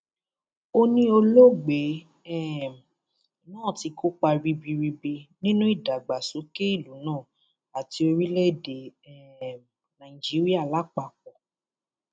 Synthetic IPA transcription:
o˧nĩ˦o˧lo˦ɡ͡be˨˦ | ɛ˦˨ | nãː˦˨ti˧ko˦k͡pa˧ɾi˧bi˧ɾi˧be˧nĩ˦nũ˦i˦˨da˨ɡ͡ba˨so˨˦ke˦i˦˨lu˨˦nãː˦˨ | a˨ti˧o˧ɾi˦le˦˨de˨ | nã˨i˨d͡ʒi˨˦ɾi˦a˦˨la˨˦k͡pa˧˨k͡pɔ˨

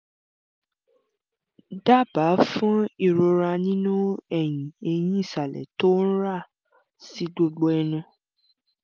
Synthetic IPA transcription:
da˦˨ba˨˦fɔ̃˦i˧˨ɾo˧ɾa˧nĩ˦nũ˦ɛ˦˨j̃ĩ˨e˧j̃ĩ˦i˦˨sa˨lɛ̰˨to˦n̩˦ɾa˦˨ | si˨˦ɡ͡bo˧ɡ͡bo˧˦ɛ˧nũ˧

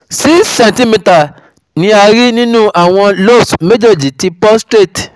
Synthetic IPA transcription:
si˦sɛ̃˨ntĩ˦mĩ˧ta˨ | nĩ˧˦a˧ɾi˦nĩ˦nũ˦ʔa˨w̃ɔ̃˧lo˦˨sme˦d͡ʒe˦˨d͡ʒi˨ti˧pɔ˦stɾe˦˨t

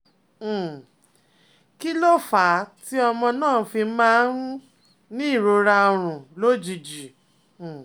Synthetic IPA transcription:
ki˦lo˦fa˨˦ti˦ɔ˧mɔ̃˧nãː˦˨˦fi˧m̩˦mãː˦ɾũ˦ | nĩ˦i˦˨ɾo˧ɾa˧ɾ̃ũ˨lo˦d͡ʒi˨d͡ʒi˨

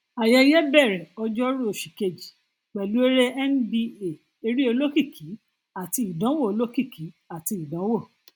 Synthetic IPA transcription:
a˨jɛ˧˦jɛ˦bɛ˦˨ɾɛ˨ɔ˧d͡ʒɔ˦ɾu˦o˧˨ʃi˨ke˧˨d͡ʒi˨ | k͡pɛ˨lu˨˦e˦ɾe˦ɛ˦n˦bi˧e˨ | e˧ɾi˦o˧lo˦ki˦˨ki˨˦ | a˨ti˧i˨dã˨˦wo˦˨o˧lo˦ki˦˨ki˨˦ | a˨ti˧i˨dã˨˦wo˦˨

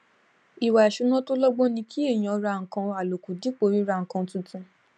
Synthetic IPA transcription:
i˨wa˨i˨ʃu˨˦nã˦to˦lɔ˦ɡ͡bo˦nĩ˧kʰi˦e˦˨j̃ã˨˧ɾa˧˨ŋ̩˨kã˧a˨lo˨ku˨di˨˦k͡po˨˦ɾi˨˦ɾa˧˨ŋ̩˨kã˧˦tũ˨˧tũ˧

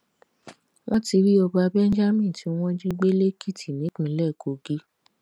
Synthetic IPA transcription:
w̃ʔɔ̃˦ti˧ɾi˦ɔ˧ba˧bɛ˦n̩˦d͡ʒa˦mĩ˦˨ti˨˦w̃ɔ̃˦d͡ʒi˦ɡ͡be˦le˦kʰi˦˨tʰi˨nĩ˨˦k͡pĩ˨˦lɛ˦˨ko˨ɡi˦

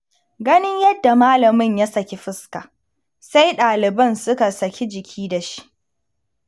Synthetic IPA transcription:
ɡɐ˦nɪ˦ɲjɐ˦dːa˨maː˦lɐ˨mɪ˦ɲja˦sɐ˨kʲe˦ɸɪ˦ska̰˨ | sa˦jɗaː˨lɪ˨bɐ˦˨nsʊ˦ka˨sɐ˨kʰʲe˦d͡ʒɪ˨kʲʰiː˦da˨ʃi̥˦ʔ

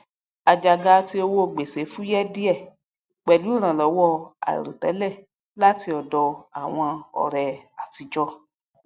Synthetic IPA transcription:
a˨d͡ʒa˧ɡa˨˧˦ti˧˦o˧wo˦˨ɡ͡be˨se˨˦fũ˦jɛ˦di˦ɛ˦˨ | k͡pɛ˨lu˨˦˨ɾ̃ã˨lɔ˨˦wɔ˦a̰˨ḭ˨ɾo̰˨tɛ̰˨˦lɛ˦˨ | la˦ti˧ɔ˨dɔ˧a˨w̃ɔ̃˧ɔ̰˨ɾɛ˨a˨ti˨˧d͡ʒɔ˧

